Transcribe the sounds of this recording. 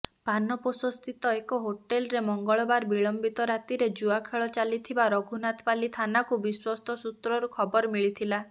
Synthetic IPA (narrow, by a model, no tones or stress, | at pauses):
panɔpɔsɔst̪ʰit̪ɔekɔɦoʈelɔɾemɔŋɡɔɭɔbaɾbiɭɔmbit̪ɔɾat̪iɾed͡ʒuakʰeɭɔt͡ʃalit̪ʰibaɾɔɡʱunat̪palit̪ʰanakubiswɔst̪ʰɔsut̪ɾɔɾukʰɔbɔɾɔmiɭit̪ʰila